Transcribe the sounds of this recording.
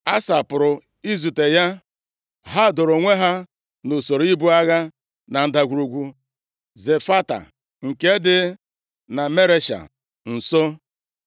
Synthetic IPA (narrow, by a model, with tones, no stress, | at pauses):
a˦sa˨pʊ˨ɾʊ˨ | i˦zu˨te˨ja˦ | ɦa˦˨do˨ɾo˨ŋʷe˦ɦa˦ | no˨so˨ɾo˦i˦bu˦a˦ɣa˦ | na˨n̩˦da˨ɡʷu˨ɾu˨ɡʷu˦ | ze˨fa˦ta̰˨ | ŋ̩˨ke˦dɪ˦ | na˨me˦ɾe˦ʃa̰˨ | n̩˨so˦